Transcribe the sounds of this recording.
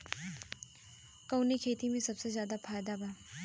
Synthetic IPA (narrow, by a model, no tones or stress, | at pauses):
kɐʊnekʰeːt̪imẽsɐbsezjaːd̪afaːjd̪abʱaː